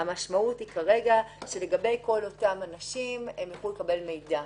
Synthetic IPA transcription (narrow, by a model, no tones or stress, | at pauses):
amaʃmauthikaʁe̞ɡaʃe̞le̞ɡabe̞jko̞lo̞tamanaʃimemjaχulekabe̞lme̞jda